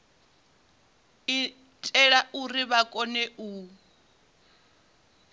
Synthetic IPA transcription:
i | tʼɛɺaʔuriβakʼɔnɛʔuː

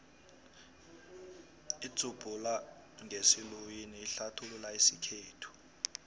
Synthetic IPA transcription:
i̥t͡sub̥ʱula | ŋʱesilujiniːɬatʰululaisikʰeːtʰu̥

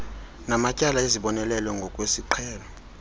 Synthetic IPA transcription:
namacʼalaeziɓɔnɛlɛlwɛŋɡʱɔkʼwesiǃʰɛːlɔ

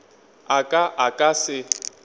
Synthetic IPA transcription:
akʼaʔakʼasɪ

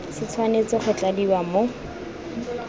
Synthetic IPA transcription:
sɪt͡sʰwanet͡sɪχʊt͡ɬadiwamo

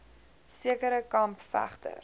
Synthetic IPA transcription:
siəkəɾəkɐmpfæ̰χtə̰r

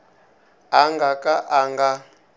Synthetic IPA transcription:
aŋɡakʼaʔaŋɡa

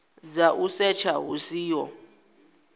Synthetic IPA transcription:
zaʔusɛt͡ʃʰaɦṵsiːjɔ

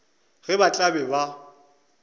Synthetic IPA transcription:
ɣɪbat͡ɬʼabɛba

